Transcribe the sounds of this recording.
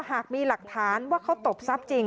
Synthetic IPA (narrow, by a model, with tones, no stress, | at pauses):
ɦaː˨˩k̚miː˧la˨˩k̚t̪ʰaː˩˦nwaː˥˩kʰa˦˥wt̪o˨˩p̚sa˦˥p̚t͡ɕi˧ŋ